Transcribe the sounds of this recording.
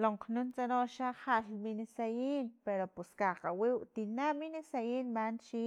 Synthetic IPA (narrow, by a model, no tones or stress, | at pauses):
loɴqnunt͡sanoʃaχaʔlminesajiːnpeɾopuskaqawiːwʔt̪inaminesajiːnmant͡ʃiː